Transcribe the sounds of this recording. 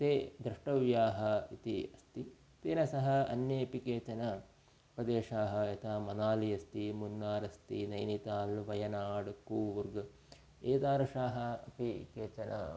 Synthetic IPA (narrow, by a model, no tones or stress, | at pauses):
t̪eːd̪ɾɐʂʈɐʋjaːɦɐ̆it̪ḭɐst̪i | t̪eːnɐsɐɦɐɐnjɐɐpikeːt͡ʃɐnɐ | pɾɐd̪eːʂaːɦɐɐt̪ʰaːmɐnaːliɐst̪imunːaːɾɐst̪inɐjnit̪aːlʋɐjɐnaːɽkuːʋuɾɡ | eːt̪aːɾɐʂaːɦɐɐpikeːt͡ʃɐnɐ̰